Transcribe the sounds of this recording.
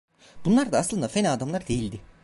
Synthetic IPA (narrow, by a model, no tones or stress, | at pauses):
bunlˠaɾd̪aːslˠɯnd̪afenaːd̪amlˠaɾd̪e̞jilʲd̪ɪ